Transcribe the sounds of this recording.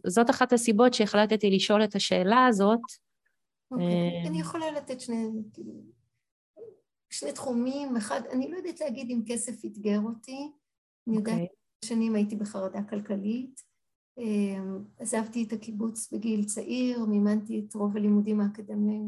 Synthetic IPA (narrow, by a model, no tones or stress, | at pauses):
zo̞taχathasibo̞tʃeeχlat̪etiliʃo̞lethaʃe̞ːlaːzo̞t | okeanijeχo̞lalatetʃnekilu | ʃnetχumimeχadanilojod̪atleaɡidimke̞se̞fitɡeʁoti | anijoda | aʃanimaitibeχaʁadakalkalit | emazavtietakibut͡sbeɡilt͡saʔiʁmeːmantietʁo̞valimudimaːkdamim